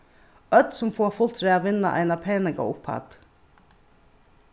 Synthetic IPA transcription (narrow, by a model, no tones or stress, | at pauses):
œd̪sɔmfoːfʊlt̪ɾeːɑʋɪnɑ̰ʔæ̰ɪnɑpʰeːnəɡɑ̰ːʊpʰhɑ̰d̪̥